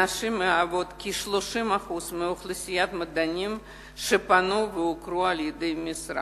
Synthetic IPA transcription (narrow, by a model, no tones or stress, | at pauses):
aʃɨmɨavot̪kʲiʃlˠoʃɨmaχusmɨoχlˠɨsʲijat̪mɐd̪anʲim | ʃɨpanuvɨʊkɾualʲjɪd̪ɨmʲɪsɾa̰